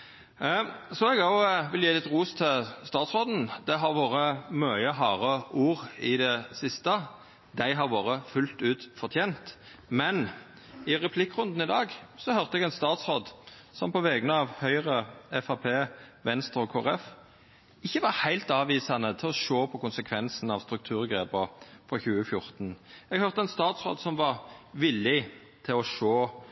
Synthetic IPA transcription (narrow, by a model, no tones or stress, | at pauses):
sɔɛɡɑʊʋɪljeːlɪt̪ʁuːst̪ʰɪlst̪ɑːt̪sʁoːd̪n̩d̪̥ɛɦɑɾʋoːɾəmœʏəɦɑːʁəuːʁɪd̪ɛsɪst̪ə | d̪æɪɦɑʁʋoːɾəfʉlt̪ʉːt̪fɔʁt̪ʰjeːnt̪ | mɛn | ɪʁɛpʰlɪkːʁʉnd̪n̩ɪd̪ɑːɡsɔhœʁt̪əɛɡɛnst̪ɑːt̪sʁoːd̪ | sɔmpʰɔʋɛɡnəɑʋhœʏʁəɛfɑpʰeːʋɛnst̪ɾɔkʰoːɛɾɛf | ɪçːəʋɑɾhæɪlt̪ɑːʋiːsɑnət̪ʰɪlɔʃoːpʰɔkʊnsəkʰʋɛnsn̩ɑʋst̪ɾʉk̚t̪ʰʉːɾɡɾeːpəfɾɔçʉːəfjʊɾt̪n̩ɛɡhœʁt̪əɛnst̪ɑːt̪sʁo̰ːd̪sɔmʋɑɾʋɪlːɪ | t̪ʰɪlɔʃoː